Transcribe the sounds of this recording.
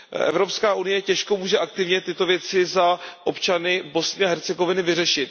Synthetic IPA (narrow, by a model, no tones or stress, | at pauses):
ʔɛ̰vɾo̞pskaːʔunɪjɛcɛʃko̞muːʒɛʔak̚t̪ɪvɲɛt̪ɪt̪o̞vjɛt͡sɪzaʔo̞pt͡ʃanɪbo̞snɪaɦɛɾt͡sɛɡo̞vɪnɪvɪrɛʃɪt̪